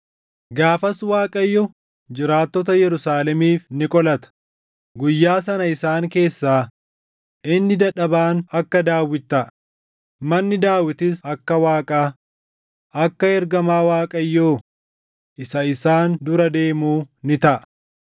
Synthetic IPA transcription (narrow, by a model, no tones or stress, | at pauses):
ɡaːfɐswaːkʼɐjːɔ | d͡ʒɪɾaːt̪ːɔt̪ɐjɛɾʊsaːlɛmiːfnɪkʼɔlɐt̪ɐ̥ | ɡʊjːaːsɐnɐɪsaːŋke̞ːsːaː | ʔɪnːɪd̪ɐᶑɐbaːnɐkːɐd̪aːwɪt̪ːɐʔ | mɐnːɪd̪aːwɪt̪ɪsɐkːɐwaːkʼaː | ʔɐkːɐɛɾɡɐmaːwaːkʼɐjːoː | ʔɪsɐɪsaːnd̪ʊɾɐd̪e̞ːmuːnɪt̪ɐʔɐ